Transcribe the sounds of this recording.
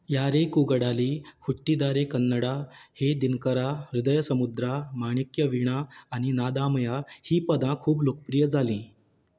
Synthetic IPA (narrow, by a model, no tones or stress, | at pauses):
jaɾekuɡəɽaliːhuʈːid̪aɾekənːəɽahed̪inkəɾaɾud̪əjəsəmud̪ɾamaɽ̃ikjəʋiɽ̃aːɽ̃inad̪ãmjahiːpəd̪ãkʰuːblokə̥pɾijəd͡zaliː